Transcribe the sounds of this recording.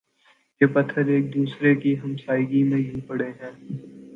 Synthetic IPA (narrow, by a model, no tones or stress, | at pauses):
jeːpɐt̪ʰːəɾeːk̚d̪uːsɾekiɦɐmsaːɪɡimẽjɐɦipɐɽeɦɛ̃ː